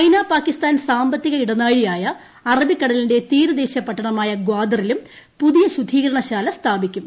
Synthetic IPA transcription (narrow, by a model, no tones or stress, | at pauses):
ɐjnaːpaːkːist̪aːnsaːmbɐt̪ːiɣɐiɽɐnaːɻijaːjɐ | ɐrɐbikːɐɽɐlinde̞t̪iːɾud̪eːɕɐpːɐʈːɐɳɐmaːjɐɡwaːd̪ɐrilum | puðijɐɕud̪ʱiːɣɐɾɐɳɐɕaːlɐst̪ʰaːbikʲːum